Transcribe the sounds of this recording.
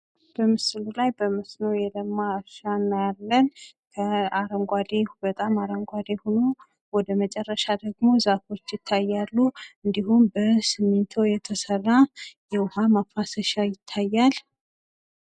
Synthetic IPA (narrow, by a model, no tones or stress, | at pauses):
b̥əmɨslulajbəməsnəwjɛləmːaʃanːajalːənkʰəaɾəŋɡʷad̪ebət̪ʼamaɾəŋɡʷad̪ehono̞ | wɔd̪əmət͡ʃʼɛrːəʃad̪əɡmo̞zafo̞t͡ʃːjɪt̪ʰːajːalːuɨnd̪ihumbəsɨmːent̪ʰojɛt̪ʰəsərːajɛwʊhamafasəʃajɪt̪ʰːajːal